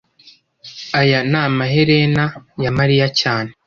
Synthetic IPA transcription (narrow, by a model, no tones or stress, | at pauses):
ajanaːmaɦeɾenajamaɾijacaːne